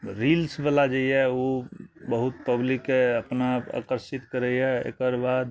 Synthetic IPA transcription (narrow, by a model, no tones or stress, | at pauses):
ɾilsbəlad͡ʒeijɛobəɦut̪pəblikːeəpnaa̰kəɾsit̪kəɾəjɛḛkəɾbad̪